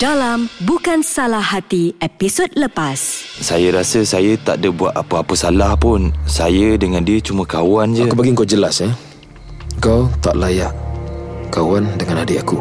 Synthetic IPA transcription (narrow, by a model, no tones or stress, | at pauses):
dalambukansalahat̪iepisod̚ləpassajəɾasəsajət̪a̰ʔdəbuat̪apəapəsalahpʊnsajədəŋandiət͡ʃuməkawand͡ʒaəkubpaɡiŋkawd͡ʒəlasɛ | ŋkawt̪aʔlajaʔ | kawandəŋanadiaku